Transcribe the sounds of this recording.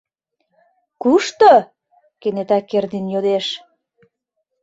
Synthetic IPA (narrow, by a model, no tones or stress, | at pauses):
kuʃt̪o | kenet̪ækːerd̪injod̪eʃ